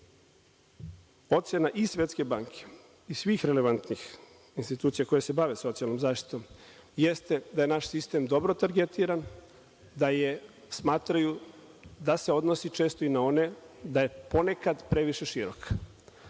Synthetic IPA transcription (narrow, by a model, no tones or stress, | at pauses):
o̞t̪sjenaʔisʋʲet̪ske̞baːŋkʰe̥ | isʋiːxɾele̞ʋant̪nix | inst̪it̪uːt̪sijako̞jese̞baʋeso̞t̪sialˠnomzaːʃt̪i̥t̪o̞mjest̪e̞d̪aje̞naʃsist̪emd̪o̞bɾot̪aɾɡet̪iɾan | d̪aje | smaːt̪ɾaju | d̪ase̞o̞d̪no̞sit͡ʃe̞ːst̪o̞inao̞ne̞d̪aje̞po̞ne̞kad̪pɾe̞ʋiʃe̞ʃiɾokʰḁ